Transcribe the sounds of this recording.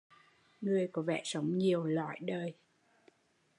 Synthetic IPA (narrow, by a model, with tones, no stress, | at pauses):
ŋɨ˨˩əjkɔ˨˦vɛ̰˧˨sə˨˦wŋ͡mɲi˨˩əwla̰˧˨jɗəː˨˩j